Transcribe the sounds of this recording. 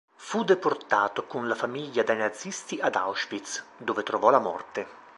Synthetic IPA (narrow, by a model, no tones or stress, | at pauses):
fud̪eport̪aːt̪okunlafamiʎːad̪ajnad̪zist̪iʔad̪a̰wʃpit̪sd̪ovet̪ɾovɔlamɔ̰rt̪e